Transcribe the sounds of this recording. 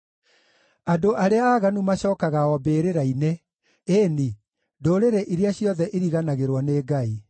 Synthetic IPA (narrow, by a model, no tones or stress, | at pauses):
adoʔaɾeaːɣanumaɕɔːkaɣaɔbeɾeɾaine | eni | doːɾeɾeʔiɾeaɕjɔðɛʔiɾiɣanaɣeɾwɔneːɡai